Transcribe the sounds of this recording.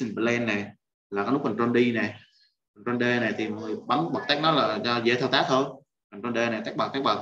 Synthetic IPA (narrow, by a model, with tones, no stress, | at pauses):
si˧npə˧˩lɛ˧nːɛ˨˩ | laː˨˩kaː˨˦nʊ˦˥k̚ɓə˨˩ŋt͡ɕɔ˧nɗi˧nɛ˨˩ | ɓə˨˩ŋt͡ɕɔ˧nɗeː˧nɛ˨˩t̪ʰi˨˩m˨˩ŋɨ˨˩ɓa˨˦ŋɓə˨˩k̚t̪a˦˥k̚nɔ˨˦laː˨˩zɔ˧ze˧t̪ʰɛ˧wt̪aː˦˥t̪ʰo˧j | ɓə˨˩ŋt͡ɕɔ˧nɗeː˧nɛ˨˩a˦˥k̚ɓa˨˩t̪a˦˥k̚ɓaə˨˩